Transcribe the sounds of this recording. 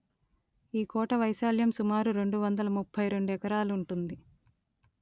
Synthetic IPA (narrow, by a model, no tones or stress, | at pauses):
iːkɔːʈɐʋɐjsaːljɐmsumaːɾuɾe̞ɳɖuʋɐnd̪ɐlɐmupʰːɐjɾe̞ɳɖuɛkɐɾaːluɳʈund̪i